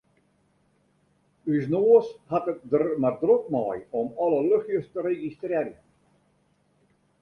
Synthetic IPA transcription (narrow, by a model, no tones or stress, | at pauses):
ysnoːəshatət̚dərmardrok̚mɔ̰ːjɔmɔləløxjəstəɾeɣistriːrjən